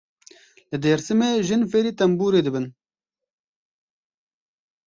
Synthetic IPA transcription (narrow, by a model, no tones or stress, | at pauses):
lɨd̪eːɾsɨmeːʒɨnfeːɾiːt̪ɐmbuːɾeːd̪ɨbɨn